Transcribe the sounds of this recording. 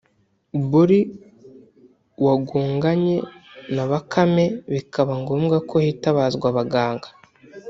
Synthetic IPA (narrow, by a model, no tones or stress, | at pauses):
buɾi | waɡuːŋɡaɲe̞naβakʰame̞βikʰaβaŋɡo̞ːmɡakʰo̞hiːtaβaːzɡwaβaɡaːŋɡḁ